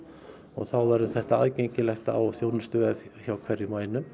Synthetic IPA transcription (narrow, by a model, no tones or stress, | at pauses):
ɔ̰ɣθawvaɾʏθɛht̪aaðcejɲcɪlɛxt̪a̰wθjoːwnʏst̪ʏɛðçawkʰvɛɾjɪmaːjnʏ